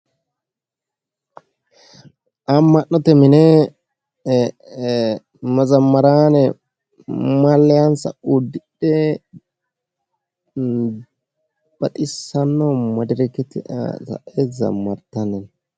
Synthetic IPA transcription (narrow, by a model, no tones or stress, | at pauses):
ʔɐmːɐnːɔt̪ɛmɪnɛ | mɐzɐmːɐɾaːnɛ | mɐlːɛjansɐ̰ʊd̪ːɪɗɛ | b̥ɐt̪ʼɪsːɐnːɔmɐd̪ɪɾɛkːɛt̪ɪ̰tɐ̰ʔezɐ̰mːɐɾt̪ɐnɛn